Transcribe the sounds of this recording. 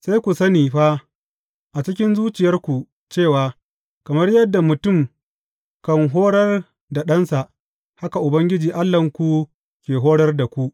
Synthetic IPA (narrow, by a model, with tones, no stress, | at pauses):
sa˦jkʷu˨sɐ˦niː˨ɸa˦ | ʔa˨t͡ʃɪ˦k̬ʲɪ˦nzuː˦t͡ʃɪ˨jɐ˦rkʷu˨ | t͡ʃeː˦˨waː˨ | kɐ˨mɐ˦rjɐ˦dːa˨mʊ˨tʊ˦˨m | kɐ˨ŋɦoː˦ɽɐ˦r | da˨ɗɐ˦nsa˨ʔ | ha˦ka˨ʔʊ˨bɐ˦ŋɡʲɪ˦d͡ʒiː˨ʔa˦lːɐ˨ŋkʷu˦ | kʲeː˨ɦoː˦ɽɐ˦rda˨kʷu˦ʔ